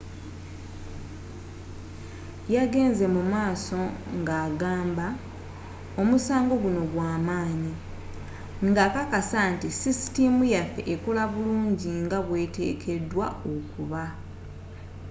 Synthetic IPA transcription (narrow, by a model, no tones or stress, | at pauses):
jaɡe̞ːnze̞mumaːso̞ŋɡaːɡaːmba | omusaːŋɡo̞ɡuno̞ɡwaːmaːɲi | ŋɡakakasantisisi̥timujafe̞̰ʔekulaβuluːɲɟiŋɡaβwe̞ːte̞̰ːkʰe̞dwaokuβa